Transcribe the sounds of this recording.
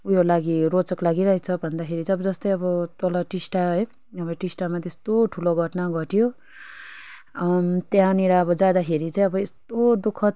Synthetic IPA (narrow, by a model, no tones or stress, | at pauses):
ujolaɡiɾot͡sʌklaɡiɾʌɦet͡sʰʌbʱʌnd̪akʰeɾit͡sãʌbʌd͡zʌst̪ʌjʌbʌt̪olʌʈisʈaɦʌj | ʌbʌʈisʈamat̪est̪oʈʰuloɡʱʌʈnaɡʱʌʈijo | mt̪jãniɾaʌbʌd͡zad̪akʰeɾit͡saĩʌbʌest̪od̪ukʰʌ